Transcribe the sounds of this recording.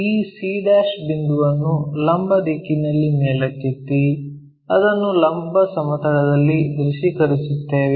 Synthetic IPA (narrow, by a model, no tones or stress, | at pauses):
iːsiːɖaːʃbind̪uʋɐnːulɐmbɐd̪ikːinɐlːimeːɭɐkːit̪ːi | ɐd̪ɐnːulɐmbɐsɐmɐt̪ɐɽɐd̪ɐlːid̪ɾuʂikɐɾisut̪ːeːʋe